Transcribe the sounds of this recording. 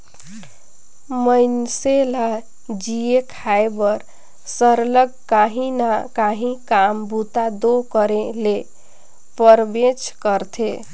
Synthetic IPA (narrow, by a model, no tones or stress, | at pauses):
məjnsela | d͡ʒiekʰaebəɾ | səɾləɡ̚kaɦĩnakaɦĩkambut̪ad̪okəɾele | pəɾbet͡ʃkəɾt̪ʰe